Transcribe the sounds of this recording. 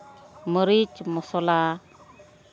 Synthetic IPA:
məɾit͡ʃmɔsɔla

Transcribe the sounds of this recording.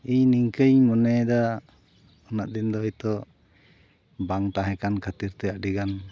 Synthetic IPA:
iɲniŋkəɲmɔnɛd̪a | ɔnaʔd̪ind̪ɔjt̪ɔ | baŋt̪aɦɛ̃kankʰat̪iɾt̪ɛjaʔɖiɡan

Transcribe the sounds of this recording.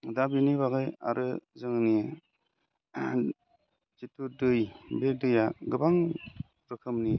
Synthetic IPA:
dabiniβaɣɯja̰ɾɯzɯŋni | d͡ʒitudɯjbedɯjaɡɯbaŋ | ɾɯkʰɯmni

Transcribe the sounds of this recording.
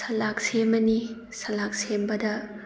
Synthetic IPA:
sɐlak̚semɐni | sɐlak̚sembɐdɐ

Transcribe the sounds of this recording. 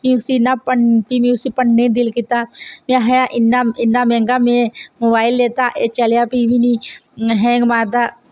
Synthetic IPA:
mĩʊsinapənpimĩʊsipəɳːẽd̪ɪlkit̪amãɦɐjaʔɪnːaɪnːamẽːŋɡamẽmobaːɪlːeːt̪aʔet͡ʃəljapibʱinĩɦɛ̃ɡmaːt̪a

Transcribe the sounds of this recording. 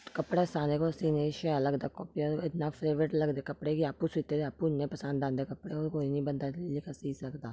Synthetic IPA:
kəpɽaːsãːneːkosiːneʃɛaləɡd̪aːkɔːpiɔːɾɪt̪naːpʰɾeːʋɾeʈləɡd̪eːkəpɽeːɡiaːpusɪːt̪ːeːd̪eaːpuɪnːẽːpəsə̃nd̪ãːnd̪eːkəpːɽeoːɾkoːinĩːbənd̪aːlɪkʰasiːsəkd̪aː

